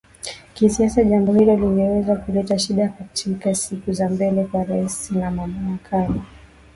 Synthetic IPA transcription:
kisiasaʄambɔhilɔliŋɡɛwɛzakulɛtaʃiɗakatʰikasikuzambɛlɛkwaɾaisinamamaɾakʰali

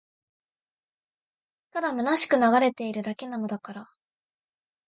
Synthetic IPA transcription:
t̪ad̪amɯ̟naɕi̥kɯ̟naɡaɾe̞t̪e̞iɾɯ̟d̪ake̞nano̞d̪akaɾa

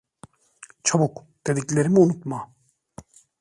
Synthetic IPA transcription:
t͡ʃʰabuk | d̪̥ed̪ikleɾimiunut̪ma

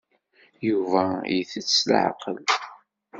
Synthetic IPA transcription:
juvæjθət͡sːsl̰ʕ̰qə̰l

